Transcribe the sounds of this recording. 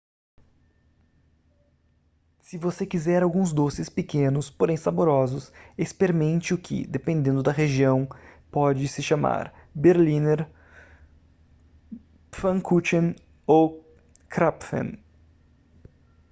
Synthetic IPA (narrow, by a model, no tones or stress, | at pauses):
sɪvosekizɛɾawɡũzd̪osɪspɪkẽnʊspoɾẽj̃saboɾɔzʊsespeɾimẽnt͡ʃɪʊkʰɪ̰d̪epẽnd̪ẽnd̪ʊd̪ɐɦeʒiɐ̃w̃pɔd͡ʒɪsɪʃama̰ɾbeɾlĩneɾ | fɐ̃ŋkut͡ʃẽn | o | kɾapfḛ̃n